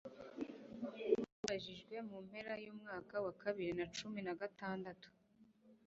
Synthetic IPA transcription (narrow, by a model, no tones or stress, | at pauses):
uβaʒiʒɡwe̞mum̥he̞ɾajuːmŋaːkawakaβiɾinat͡ʃuminaɡataːndatu̥